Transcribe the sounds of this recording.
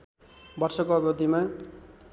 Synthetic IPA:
bʌrsʌkoʌbjod̪ima

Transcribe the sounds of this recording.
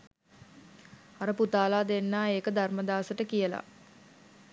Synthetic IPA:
aɾəput̪aːlaːd̪enːaːeːkəd̪arməd̪aːsəʈəkijəla̰

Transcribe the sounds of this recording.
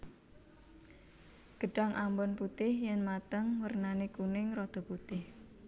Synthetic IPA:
ɡ̥əɖ̥a̤ŋʔambɔnput̪ɪhjɛnmat̪əŋwərnanikunɪŋrɔd̪̥ɔ̤put̪ɪh

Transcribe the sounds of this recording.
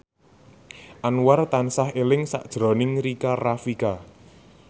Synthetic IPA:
ʔanwart̪ansahelɪŋsa̰ʔd̥ʒ̥ɾɔ̤nɪŋrikarafika

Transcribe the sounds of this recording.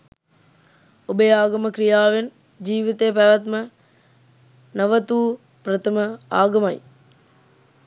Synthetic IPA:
obejaːɡɐməkɾijaːʋen | d͡ʒiːʋit̪ejpæʋɐt̪mə | nɐʋət̪uː | pɾɐt̪ɐməaːɡɐmɐj

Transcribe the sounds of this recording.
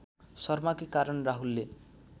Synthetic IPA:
sʌɾmakikaɾʌnɾaɦulːe

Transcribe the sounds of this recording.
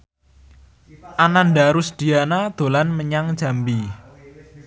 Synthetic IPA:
ʔananɖaɾʊsd̪̥i̤anad̪̥o̤lanməɲaŋ̥d͡ʒ̥a̤mbi

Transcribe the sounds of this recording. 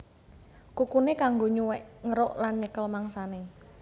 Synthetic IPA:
kukunekaŋɡoɲuwɛʔŋəɾoʔlanɲəkəlmaŋsane

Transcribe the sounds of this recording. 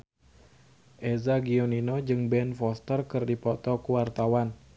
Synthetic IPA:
ʔɛzaɡioninod͡ʒɨŋbɛnfɔst̪ərkɨrdipɔt̪ɔkuwart̪awan

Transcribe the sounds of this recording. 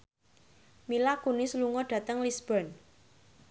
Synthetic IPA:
milakunɪsluŋɔɖ̥ä̤t̪əŋlisb̥ɔn

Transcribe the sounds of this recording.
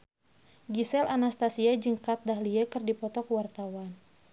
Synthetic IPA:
ɡisɛlanast̪asiad͡ʒəŋkat̪̚dahliakɨrdipɔt̪ɔkwart̪awan

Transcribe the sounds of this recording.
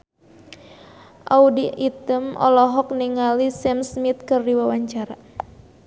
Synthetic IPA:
ʔaudiit̪əmʔɔ̰lɔɦɔk̚niŋalisɛmsmit̪̚kɨrdiwawaɲt͡ʃaɾa

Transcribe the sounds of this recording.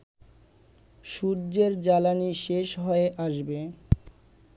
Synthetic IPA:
ʃuɾd͡ʑeɾd͡ʑalaniʃeʃɦɔeʔaʃbe

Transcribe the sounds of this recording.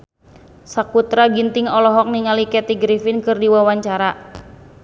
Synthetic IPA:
sakut̪ɾaɡint̪ɪŋɔlɔɦɔk̚niŋalikɛt̪iɡɾifɪnkɨrdiwawaɲt͡ʃaɾa

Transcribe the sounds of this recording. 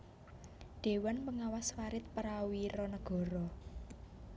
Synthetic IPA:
ɖ̪̥e̤wanpəŋawaswaɾɪt̪̚pəɾawiɾɔnəɡ̥ɔ̤ɾɔ

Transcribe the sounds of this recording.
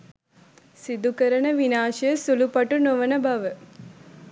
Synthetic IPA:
sid̪ukɐɾɐnɐʋinaːʃɐjəsulupɐʈunoʋɐnɐbʱɐʋə

